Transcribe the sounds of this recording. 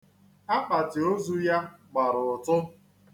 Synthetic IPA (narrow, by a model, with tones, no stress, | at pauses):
a˦k͡pa˨tɪ˨o˦zu˦ja˦ɡ͡ba˨ɾʊ˨ʊ˨tʊ˦